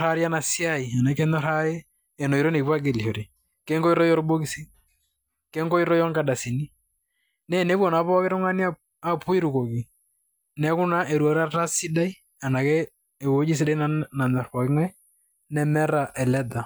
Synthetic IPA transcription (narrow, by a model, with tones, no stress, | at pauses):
a˦ɾja˦na˨si˦a˦i˨a˨na˨kɛ˦nɔ˦ɾa˦e˦ | ɛ˨no˨i˨ɾo˦ne˨kpa˦ɡe˨li˨ho˨ɾi˨ | kɛ˦ŋɡɔ˦i˦ɾɔ˦jɔ˦ɾbo˦ki˦si˦ | kɛ˦ŋko˦i˦ɾɔ˦jɔ˦ŋka˦da˨si˨ni˦ | nɛ˦˨ne˦bwɔ˨na˨pɔ˦kɪ˦ɾʊ˦ŋa˦ni˦a˦ | a˨pʰu˦i˦ɾu˨ko˨ki˨ | nɛ˦kʊ˦na˦ʔe˨ɾwa˨ɾa˦ta˦si˦da˦i˦ | a˨na˨kɛ˦ | e˨wo˦d͡ʒi˦s̬i˦da˦i˦nana˨nɔ˨rpɔ˨kɪ˦ŋa˦ | nɛ˦mɛ˦ɾa˨ʔɛ˨lɛ˦da˨